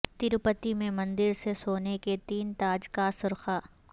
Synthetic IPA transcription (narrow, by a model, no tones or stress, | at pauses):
t̪ɪɾpət̪imẽmɐ̃nd̪ɪɾsesoːneket̪iːnt̪aːd͡ʒkasʊɾxaː